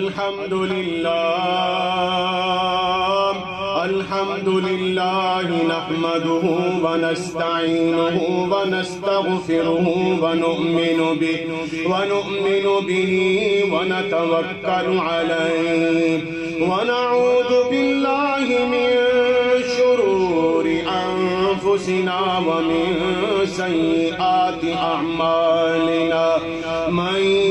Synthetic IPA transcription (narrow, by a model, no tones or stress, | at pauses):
lħɐmd̪ʊlɪlːaː | ʔɐlħɐmd̪ʊlɪlːaːɦɪnaħmɐd̪ʊɦʊwɐnɐst̪aʕiːnʊɦʊwɐnɐst̪ɐɣfɪɾʊɦʊwɐnʊʔmɪnʊbɪ | wɐnʊʔmɪnʊbɪɦiːwanat̪awakːalʕalaj | wanaʕuːðʊbɪlːaːhɪmɪn | ʃʊɾuːɾɪʔanfʊsɪnaːwamɪnsajːɪʔaːt̪ɪʔaʕmaːlɪnaː | ma